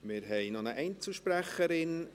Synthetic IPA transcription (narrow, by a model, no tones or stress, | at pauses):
mɪɾɦɛɪnɔnəʔɛɪnt͡sl̩ˠʃpɾæχəɾɪn